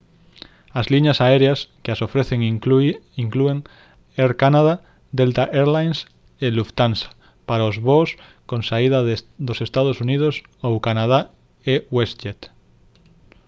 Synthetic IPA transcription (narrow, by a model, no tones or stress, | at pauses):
azliɲasaeɾeaskeasofɾeθeŋ | iŋklueŋ | eɾkanaða | d̪elt̪aʔeɾlajns | eluft̪ansḁ | paɾaozβos | kõnsaiðad̪osest̪að̞osuniðos | owkanað̞a | ewest͡ʃet̪